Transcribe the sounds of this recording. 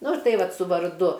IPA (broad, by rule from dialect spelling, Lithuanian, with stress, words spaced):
ˈnʊ ˈtɐɪ ˈʋɐt sʊ ʋɐrˈdʊ